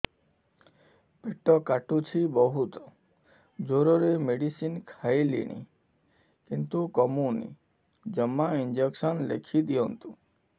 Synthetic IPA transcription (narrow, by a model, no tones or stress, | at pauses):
peʈɔkaʈut͡ʃʰibɔɦut̪ɔ̥ | d͡ʒoɾɔɾemeɖisinkʰajlḭɽ̃ḭ | kint̪ukɔmunḭ | d͡ʒɔmːaind͡ʒekʃɔnlḛkʰid̪ijɔnt̪u